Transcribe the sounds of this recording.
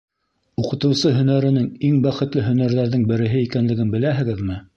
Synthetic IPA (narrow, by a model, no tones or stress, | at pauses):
uqɤ̆t̪ɤ̆wsɤɦɵ̆næɾɘ̆nɘŋiŋbæχɘ̆t̪lɘɦɵ̆næɾðæɾðɘŋbɘ̆ɾɘ̆ɦɘikænlɘ̆ɡɘnbɘ̆læɦɘ̆ɡɘðmɘ